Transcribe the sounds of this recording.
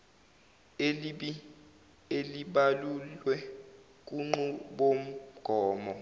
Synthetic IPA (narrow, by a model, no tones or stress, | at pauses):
eliɓi | eliɓalullwɛ | k̬ʼuŋ͡ǃuɓom̩ɡ̥ʱɔːmɔ